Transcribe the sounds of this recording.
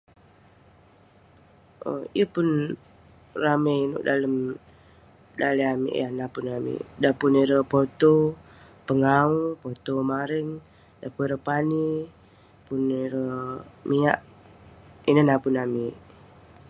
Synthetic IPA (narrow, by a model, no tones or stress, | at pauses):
ə̰jəpʊn | rameinʊ̰ʔdaləm | daliamḭʔanapunamḭdapuneɾəpot̪o | pəŋaupot̪omaɾəŋ | dapueɾəpani | puneɾəmia̰ʔ | inənapunami